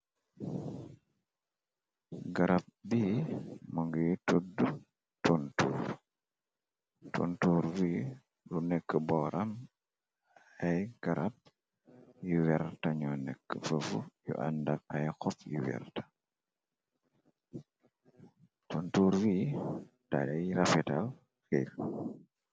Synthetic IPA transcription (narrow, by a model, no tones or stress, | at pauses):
ɡɐɾɐp̚biːmoŋɡijtudu | tontṵːɾ | to̰ntuːɾwi | lunɛkːəbɔɾɐm | ajɡ̥ɐɾap̚ | juwɛɾtɐɲɔːnɛkːəfəfujṵʔa̰ndɐk̚ɐjxɔfjiwɛ̰rtḁ | tontuːɾwiː | ta̰jajɾɐfɛtal | xel